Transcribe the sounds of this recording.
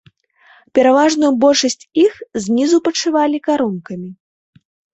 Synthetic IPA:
pʲɛɾavaʐnujubɔlʲʂɐsʲt͡sʲixzʲnʲizupɐt͡ʂɨvalʲikaɾunkɐmʲi

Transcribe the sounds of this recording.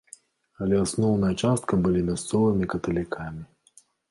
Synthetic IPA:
ɐlʲɛasnɔwnɐjɐt͡ʂast̪̚kɐbɨlʲimʲast̪sɔvɨmʲikɐt̪ɐlʲikʰamʲi

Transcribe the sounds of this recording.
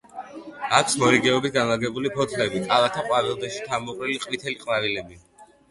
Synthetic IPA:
akʰsmɔɾiɡɛɔbit̪ɡanlaɡɛbulipʰɔt̪ʰlɛbikʼalat̪ʰaqʼwavilˠd̪ɛʃi̥t̪ʰamɔqʼɾiliqʼvit̪ʰɛliqʼnavilɛbi

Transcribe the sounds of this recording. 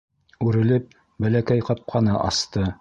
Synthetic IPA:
ʉɾɘ̆lɘp̚ | bælækæjqɑp̚qʰɑnɤʔɑ̰st̪ɤ

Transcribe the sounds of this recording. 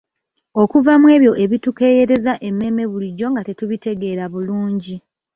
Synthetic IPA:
o̞kuvamwe̞ːβjo̞ʔe̞βituke̞ːje̞ɾe̞zaʔe̞mːe̞ːme̞βuliɟːo̞ŋɡate̞tuβite̞ɡe̞ːɾaβuluːɲɟi

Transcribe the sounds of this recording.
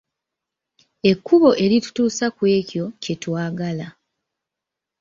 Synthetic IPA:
e̞kːuβo̞ʔe̞ɾitu̥tuːsakwe̞ːcjo̞ce̞twaːɡala

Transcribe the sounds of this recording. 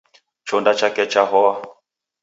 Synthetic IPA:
t͡ʃɔndat͡ʃakɛt͡ʃaɦɔa

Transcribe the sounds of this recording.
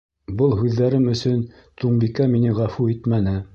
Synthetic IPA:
bɤlˠɦʉðːæɾɘmɵ̆sɵn | t̪ʰuɴbikæminɘʁæfuit̪mænɘ

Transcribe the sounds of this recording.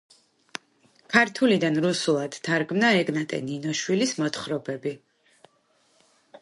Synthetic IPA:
kʰaɾt̪ʰulid̪anɾusulˠad̪̥t̪ʰaɾɡmnaɛɡnat̪ʼɛ̰ninɔʃwilismɔt̪ʰχɾɔbɛbi

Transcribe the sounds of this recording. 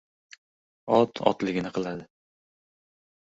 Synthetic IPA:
ɒt̪ʰɒ̰t̪lɪɡʲɪnɪqʰɨlˠad̪ɪ

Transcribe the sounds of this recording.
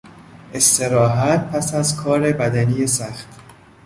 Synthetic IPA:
ʔe̞st̪e̞ɾɒːɦæt̪̚pʰæsæzkʰɒːɾe̞bæd̪ænijesæxt̪

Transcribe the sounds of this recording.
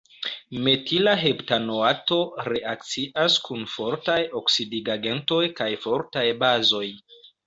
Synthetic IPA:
me̞tilaɦeptanoato̞ɾe̞ʔak̚t͡siʔaskʰunfo̞ɾtajo̞ksidiɡaɡe̞nto̞jkajfo̞ɾtajbazo̞j

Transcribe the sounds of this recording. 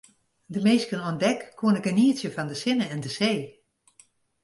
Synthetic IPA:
dəmeːskənɔndɛkːʰuənəkəniəsjəfɔndəsɪnəɛndəseː

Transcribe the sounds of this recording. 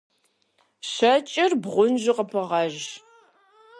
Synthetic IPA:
ɕɐt͡ʃʼɪrbʁʷʊnʒɪqəpʰɨʁɑʒ

